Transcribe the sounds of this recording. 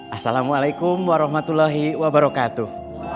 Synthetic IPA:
ʔasalamualajkumwaɾɔɦmat̪ulːaɦiwabaɾɔkat̪uh

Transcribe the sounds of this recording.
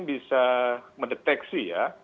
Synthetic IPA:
nbisaməndət̪ɛksija

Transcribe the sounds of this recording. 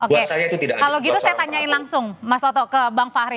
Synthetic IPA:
ʔouesajait̪ut̪idakkaloɡit̪usajat̪aɲaɪnlaŋsʊŋmasot̪ɔkəbaŋfaɾi

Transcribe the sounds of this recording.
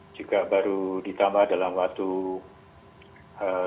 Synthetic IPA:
d͡ʒikabaɾudit̪ambahdalamwak̚t̪u | ə

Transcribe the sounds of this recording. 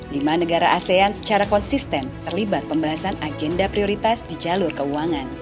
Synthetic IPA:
dimanəɡaɾaʔaseansə̥t͡ʃaɾakɔnsist̪ɛnt̪ərlibat̪̚pəmbaɦasanad͡ʒɛndapɾioɾit̪asdid͡ʒalʊrkəuaŋan

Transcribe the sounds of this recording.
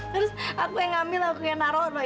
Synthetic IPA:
t̪ɨɾʊsakuɛŋamɪlakuɛnaɾɔlɔ

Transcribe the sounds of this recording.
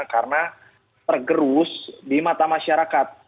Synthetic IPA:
karəna | t̪ərɡəɾusdimat̪amaʃaɾakat̪̚

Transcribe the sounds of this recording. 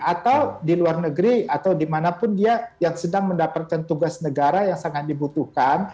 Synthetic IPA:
at̪awdiluarnəɡɾiat̪awdimanapʊndiajaŋsədaŋməndapat̪̚kant̪uɡasnəɡaɾajaŋsaŋat̪̚dibut̪uhkan

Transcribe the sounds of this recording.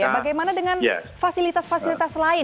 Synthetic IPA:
abaɡajmanadəŋanja̰fasilit̪asfasilit̪aslaɪ

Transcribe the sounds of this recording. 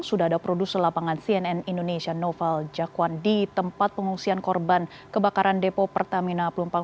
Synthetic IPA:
ŋsudaadapɾodusəlapaŋansiɛnɛnindonesianɔfɛld͡ʒakwandit̪əmpat̪̚pəŋuŋsiankɔrban | kəbakaɾʔandepopərt̪aminapəlumpa

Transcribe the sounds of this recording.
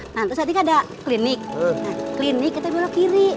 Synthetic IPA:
nat̪ɾʊsat̪̬ikadaklinɪk̚naklinɪkit̪abilokiɾi

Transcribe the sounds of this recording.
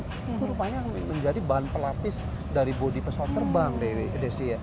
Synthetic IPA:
it̪uɾupaɲaməɲd͡ʒadibaɦanpəlat̪ɪs | daɾibodipəsat̪ərmbaŋdedɛsija

